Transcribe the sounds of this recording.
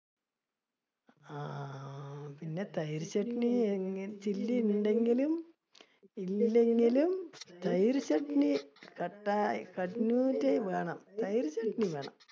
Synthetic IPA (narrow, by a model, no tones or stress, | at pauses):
a | pinːe̞t̪ɐjɾɕɐʈɳieŋt͡ɕilːinɳɖe̞ŋɡilum | ilːe̞ŋɡilumt̪ɐjɾɕɐʈɳikɐʈːakɐʈnuːtːeʋe̞ːɳɐmt̪ɐjɾɕɐʈɳiʋeːɳɐ̰m